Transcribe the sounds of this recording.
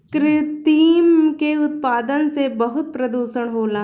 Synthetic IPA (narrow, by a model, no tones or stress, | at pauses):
kɾɪt̪iːmkeʊt̪̚paːd̪ənsebɐɦʊt̪̚pɾɐd̪uːʃəɽ̃ɦoːlã